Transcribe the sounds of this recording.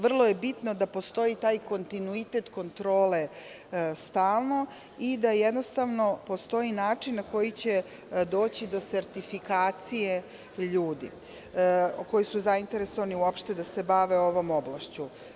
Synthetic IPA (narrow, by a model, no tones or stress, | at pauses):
ʋr̩lˠo̞je̞bit̪no̞d̪apo̞st̪o̞it̪aːjko̞nt̪inuit̪e̞t̪ko̞nt̪ɾo̞ːle̞ | st̪aːlˠno̞ | id̪ajed̪nost̪aʋno̞po̞st̪o̞inaːt͡ʂinːako̞jit͡ɕe | d̪o̞ːt͡ɕid̪o̞se̞ɾt̪ifikaːt̪sije | ʎuːd̪ḭ | ko̞jisuzaint̪e̞ɾe̞so̞ʋaniuopʃt̪e̞d̪ase̞baʋe̞o̞ʋo̞moblˠaʃt͡ɕu